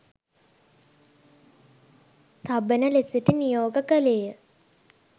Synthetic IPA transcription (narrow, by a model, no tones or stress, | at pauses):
t̪abenəlesiʈinijoːɡəkəleːjə